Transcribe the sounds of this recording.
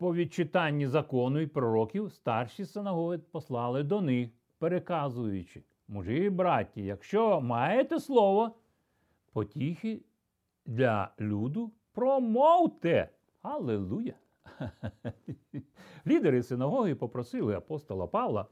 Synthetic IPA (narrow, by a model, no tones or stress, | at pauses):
pɔʋʲid̚t͡ʃɪt̪ɑnʲːizɐkɔnʊipɾɔɾɔkʲiwst̪ɑrʃisɪnɐɦɔɦɪpɔslˠɑlˠɪd̪ɔnɪx | peɾekɑzʊjʊt͡ʃɪ̥ | mʊʒɪbɾɑtʲːijɐkʃt͡ʃɔmɑjet̪ɛslˠɔʋɔ | pɔtʲixɪ | d̪lʲɐ̰lʲud̪ʊ | pɾɔmɔwt̪ɛ | hɐlˠelˠujɐ | lʲid̪eɾɪsɪnɐɦɔɦipɔpɾɔsɪlˠɪɐpɔst̪ɔlˠɐpɑwlˠɐ̰